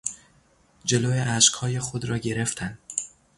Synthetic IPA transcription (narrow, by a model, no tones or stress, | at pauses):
d͡ʒe̞loːeʔæʃkhɒːjexod̪ɾɒːɟe̞ɾeft̪ʰæn